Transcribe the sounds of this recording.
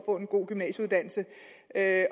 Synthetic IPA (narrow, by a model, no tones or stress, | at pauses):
fɔ̰̽ːe̝nɡ̥o̝̰ːɡ̥ymnɛ̰ːɕəuð̞ˠd̥æn̰l̩sə | ø